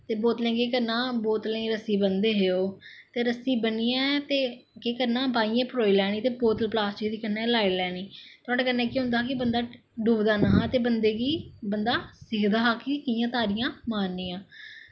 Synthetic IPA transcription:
t̪eːboːt̪lẽːɡeːkəɾnãːboːt̪lẽːɾəsiːbənd̪eːɦeːoːt̪eːɾəsiːbəniːɛ̃ːt̪eːkeːkəɾnãːbaːiːãːpəɾoːiːlɛːɽ̃iːt̪eːpoːt̪əlplaːst͡ʃiːd̪iːkənːɛːlaːilɛːɽ̃iːt̪ʊɔːɽaːkənɛːkjɦʊ̃nd̪aːkɪbənd̪aː | ɖuːbd̪aːnaːɦãːt̪eːbənd̪eːɡiːbənd̪aːsɪkʰd̪aːɦaːkɪkɪjãːt̪aːɾɪjãːmaːɾniːãː

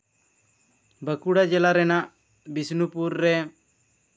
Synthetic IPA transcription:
bəkuɽad͡ʒɛlaɾɛnaʔ | bisnupuɾːɛ

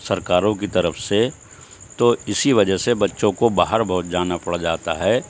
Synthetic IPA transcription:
sɐɾkaːɾõkit̪ɐɾəfse | t̪oɪsiʋɐd͡ʒəsebɐtːʃõkobaːɦəɾbʱɔːt̪̚d͡ʒaːnapɐɽ̤ad͡ʒaːt̪aɦɛː

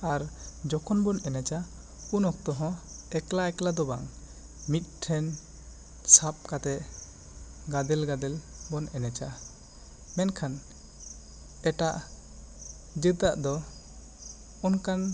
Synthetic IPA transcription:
aɾd͡ʒɔkʰɔnbɔnɛnɛt͡ʃa | unɔk̚t̪ɔɦɔ̃ɛklaɛklad̪ɔbaŋ | mit̪̚ˀʈʰɛn | sap̚kat̪ɛʔ | ɡad̪ɛlɡad̪ɛl | bɔnɛnɛt͡ʃa | mɛnkʰan | ɛʈaʔ | d͡ʒət̪aʔd̪ɔ | ɔnkan

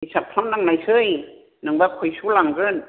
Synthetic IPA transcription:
isʰap̚tʰannaŋnajsɯj | naŋbap̚kʰojsʰulaŋɡɯn

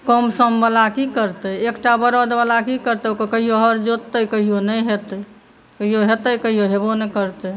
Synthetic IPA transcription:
kəmsəmbəlakikəɾt̪əekʈabəɾod̪bəlakikəɾt̪əokekəɦijoɦəɾd͡ʒot̪ːəjkəɦijonəjɦet̪əj | kəɦijoɦet̪əkəɦijoɦebonəkəɾt̪ə

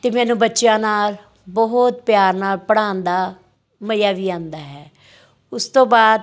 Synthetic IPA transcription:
t̪eːmɛːnũːbətːʃjãːnaːl | bɔɦʊt̪pjaːɾnaːlpəɽaːnd̪aː | məjaːʋiːãːnd̪aːɦɛː | ʊst̪õːbaːd̪

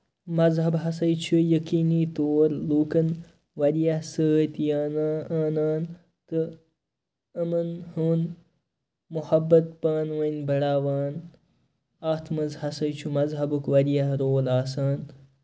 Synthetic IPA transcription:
mɐzɦɐbɦɐsɐjt͡ʃʰujɐkiːniːt̪oːɾluːkɐn | ʋɐɾijɐhsəːt̪jaːnaːnaːn | t̪ɨ | ɐmɐnhuːn | muhɐbːɐt̪̚paːnʋɐnʲbɐɽaːʋaːn | aːt̪ʰmɐzhɐsɐjt͡ʃʰumɐzɦɐbukʋɐɾijɐɦɾoːlaːsaːn

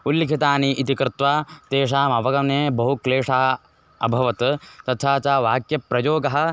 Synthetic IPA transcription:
ulːikʰit̪aːniʔit̪ikɾɪt̪ʋaːt̪eːʂ̬aːmɐʋɐɡɐmeːbɐɦukleːʂaɦɐ | ɐbʱɐʋɐt̪t̪ɐt̪ʰaːt͡ʃaːʋaːkjɐpɾɐjoːɡɐɦɐ̆

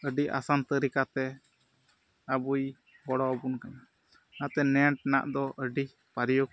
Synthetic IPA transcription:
əɖia̰sant̪əɾikat̪ɛ | abuj | bɔɽɔbunkana | nat̪ɛnɛʈ̚na̰ʔd̪ɔʔəɖi | paɾijɔk

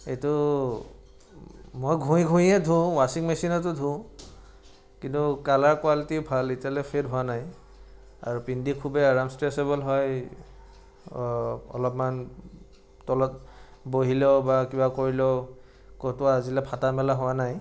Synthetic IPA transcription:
etʊ | mojɡʱũj̃ɡʱũjɛdʱũwasiŋmesinɔtʊdʱũ | kintʊkalaɹkwalitiʊbʱalitialɛpʰetɦʊwanaj | a̰ɹupindikʰubɛaɹamstɹɛsebɔlɦɔj | ɔ̰lɔpman | tɔlɔt | boɦilɛʊbakibakoɹilɔʊ | kɔtʊaːzilɛpʰatamɛlaɦʊwanaj

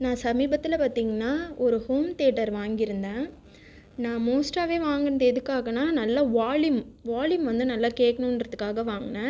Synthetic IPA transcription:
nãːsɐmiːbɐt̪ːɪlɐpaːɾt̪iːŋɡɐnːaːɔɾɯhoːmt̪eːʈɐɾʋaːŋɡɪɾɯnd̪ẽː | nãːmoːsʈaːʋeːʋaːŋɡɐnɐðɯɛðɯkːaːɣɐnãːnɐlːɐʋaːlɪmʋaːljɪmʋɐnd̪ɯnɐlːaːkeːkːɐɳʊ̃ɪnɾɐðɯkːaːɣɐʋaːŋɡɐnɛ̃

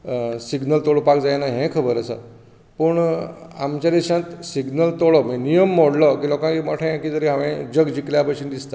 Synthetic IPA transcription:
siɡnəlt̪oɭopakd͡zajnaɦẽkʰəbəɾəsə̰ | pəɳa̰mt͡ɕad̪iɕãt̪siɡnəlt̪oɭɔmenijəmːoɽlɔkiːlɔkãkiməʈʰẽjãkiːd͡zəɾiɦãʋẽd͡ʑəɡd͡ʑikljapasuːnd̪ist̪ḁ

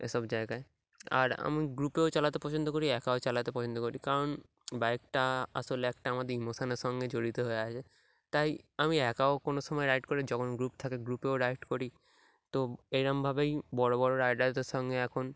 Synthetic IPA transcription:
ḛʃɔbd͡ʑaeɡae | a̰ɾa̰miɡɾupeot͡ɕalat̪epɔt͡ɕʰond̪okoɾiɛkaot͡ɕalat̪epɔt͡ɕʰond̪okoɾikaɾon | baekʈaaʃoleɛkʈaamad̪eɾimosaneɾʃɔŋɡed͡ʑoɽit̪eɦoeat͡ɕʰe | t̪ajamiɛkaokonoʃɔmɔeɾajʈkoɾed͡ʑɔkʰonɡɾupt̪ʰakeɡɾupeoɾajʈkoɾi | t̪oejɾambʱabejbɔɽobɔɾoɾajɖajd̪eɾʃɔŋɡeɛkʰon

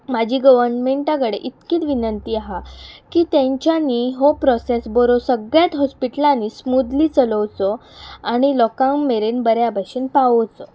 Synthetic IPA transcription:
mad͡ʑʱiːɡəʋəɾnmeɳʈãkəɽeʔit̪kiːt̪ʋinənt̪iːaɦakiːt̪jãɲt͡ɕjaniːɦopɾɔsesbɔɾosəɡɭjat̪ɦɔspiʈəlaniːsmud̪liːt͡sələwt͡sɔaɽ̃ilɔkãŋmeɾenbəɾjabʱaɕiːnpaʋəwt͡sɔ

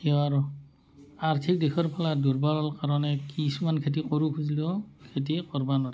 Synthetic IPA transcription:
kiɔaɾu | aɹtʰik̚dekʰɔɹpʰaladuɹbaɹɔlkaɹɔnɛkisumankʰetikɔɹukʰuzliɔkʰet̬ikɔɹbanɔɾɛ

